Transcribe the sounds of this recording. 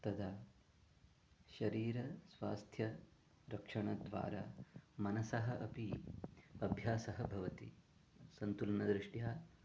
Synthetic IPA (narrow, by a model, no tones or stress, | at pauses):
t̪ɐd̪ʱa | ʃɐɾiːɾɐsʋaːst̪ʰjɐ | ɾɐkʂɐɳɐd̪ʋa̰ːɾa̰ːmɐnɐsɐɦɐʔɐpi | ɐbʱjaːsɐɦɐbʱɐʋɐt̪i | sɐnt̪ulɐnɐd̪ɾiʂʈjaː